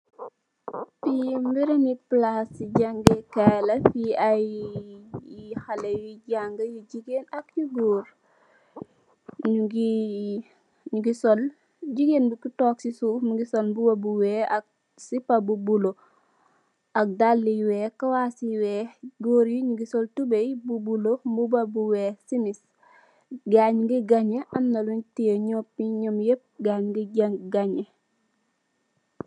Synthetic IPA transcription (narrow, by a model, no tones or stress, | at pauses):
pimbiɾiniplasiɟaŋɡekɛlɐfiaj | ihɐlejiɟaŋɡɐjiɟiɡenɐkjiɡoːɾ | ɲuɡi | ɲuɡisɔl | ɟiɡenbukutɔːksisuːfmuɡisɔlbuwɐbuwɛːɐk̚ | sipabubulo | ak̚dalːiweːkawasiwɛːɡoɾiɲuɡisoltubejbubulobubabuweːsimis | ɡaɲɡiɡaɲeʔanːoluntijeɲopːiɲomjep̚ɡaɲɡiɡaŋɡaɲe